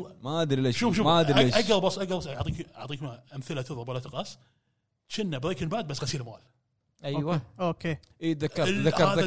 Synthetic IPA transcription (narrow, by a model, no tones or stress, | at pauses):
maʔad̪ɾileːʃuːfʃuːmaʔad̪ɾeːʔaɡ̪ɑɾˤbɑsːʔaɡd̪ɑɾbɑsʕt̪ˤiːka̰ʕt̪ˤiːkʔamθɪlat̪ɪðˤɑbwalat̪ɪqɑs | ʃɪnːabɾeːkɪnbaʕd̪̚basːɣasiːlmaːl | ʔajwaoːkeːʔiːt̪ðaːɑɾˤðakːɑɾaða